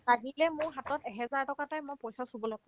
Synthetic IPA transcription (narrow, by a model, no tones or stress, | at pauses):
taɦilɛmʊɹɦatɔtɛɦɛzaɹtɔkatajmojpɔjsasubɔlɔɡɔ